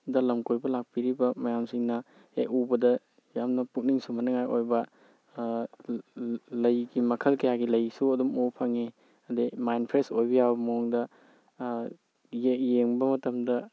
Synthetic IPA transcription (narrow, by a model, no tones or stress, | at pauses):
dɐlɐmkojbɐlak̚piɾibɐmɐjamsiŋnɐ | ejubɐdɐ | jamnɐpuk̚niŋsumɐnɐŋajʔojbɐ | lɐjɡimɐkʰɐlkɐjaɡilɐjsuɐdumopʰɐŋe | ɐdemajnpʰɾesojbijawbɐmɐɔŋdɐ | jejeŋbɐmɐtɐmdɐ